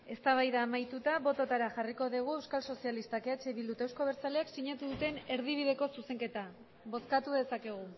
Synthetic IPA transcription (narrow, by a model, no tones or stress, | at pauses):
e̞st̪aβ̞ajðaːmajt̪ut̪aβo̞t̪o̞t̪aɾaxariko̞ðiɣ̞ue̞wskalso̞sialist̪akeat͡ʃeβild̪ut̪ewsko̞β̞e̞ɾt͡saleaksiɲat̪uðut̪e̞ne̞ɾðiβ̞iðe̞ko̞suse̞ŋke̞t̪a | βo̞skat̪uðe̞sake̞ɣ̞u